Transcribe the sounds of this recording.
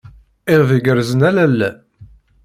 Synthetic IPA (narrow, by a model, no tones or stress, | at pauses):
ɪʁðəɡəɾzənælælːæ